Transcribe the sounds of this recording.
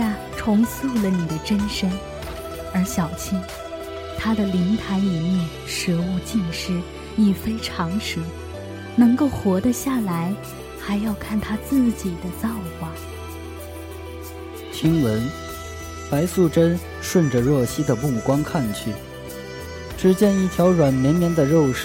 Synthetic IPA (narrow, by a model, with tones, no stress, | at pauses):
a˥˧ | ʈ͡ʂʰʊ˧˥ŋsu˥˧lə˩ni˨˩d̪ə˦ʈ͡ʂə˥nʂə˥n | ə˞˧˥ɕjɑ˨˩ʊt͡ɕʰi˥n | t̪ʰa˥d̪ə˨li˧˥ŋt̪ʰa˧˥ɪi˨˩mjɛ˥˩n | ʂɤ˧˥wu˥˧t͡ɕi˥˧nʂɻ̩˥ | i˨˩fe˥ɪʈ͡ʂʰɑ˧˥ŋʂ̩˧˥ | nɤ˧˥ŋko˥˩ʊxwɔ˧˥d̪ə˧ɕja˥˩la˧˥ɪ | xa˧˥ɪjɑ˥˧ʊkʰa˥˩nt̪ʰa˥t͡sɹ̩˥˩t͡ɕi˨˩d̪ə˦t͡sɑ˥˩ʊxwa˨˩ | t͡ɕʰi˥ŋwə˧˥n | pa˧˥ɪsu˥˧˩ʈ͡ʂə˥n | ʂwə˥˩nʈ͡ʂə˩ɻwɔ˥˩ɕi˥d̪ə˨mu˥˩kwɑ˥ŋkʰa˥˧nt͡ɕʰy˥˩ | ʈ͡ʂɻ̩˧˥t͡ɕjɛ˥˧ni˥˩t̪ʰjɑ˧˥ʊɻwa˨˩nmjɛ˧˥nmjɛ˧˥nd̪ə˧ɻo˥˧ʊʂ